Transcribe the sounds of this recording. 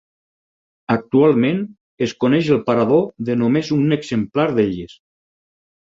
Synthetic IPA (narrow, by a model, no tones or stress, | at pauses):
ak̚t̪ualˠmen | eskonɛʃelˠpaɾaðoðənomezuneɡzemplaɾðeʎes